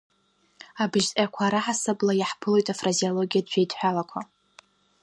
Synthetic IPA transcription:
abɨʒtʼjakʷʰaɾaħasɨblajaħpʰɨlo̞jtʼafraziolo̞ɡʲijadʒʷᶣejdʰʼħʷᶣalakʷʰa

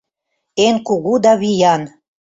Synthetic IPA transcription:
enkuɣud̪ɑβijɑn

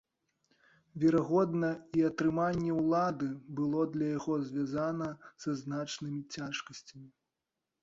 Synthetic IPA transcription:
vʲɛɾaɣɔd̪nɐiɐt̪ɾɨmanʲːɛwlˠad̪ɨbɨlˠɔd̪lʲɐjaɣɔzʲvʲjazanɐsɐznat͡ʂnɨmʲit͡sʲaʂkɐsʲt͡sʲɐmʲi

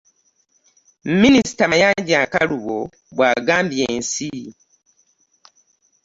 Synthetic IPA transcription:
m̩minisi̥tamajaɟakaluβo | βwaːɡaːmbijeːnsi

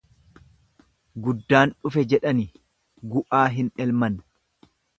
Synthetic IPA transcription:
ɡʊd̪ːaːnᶑʊfɛd͡ʒɛᶑɐni | ɡʊʔaːɦɪnɛlmɐn

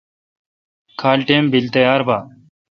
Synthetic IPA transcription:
kʰaːlʈeːmbɪlt̪əjaːɾbaː

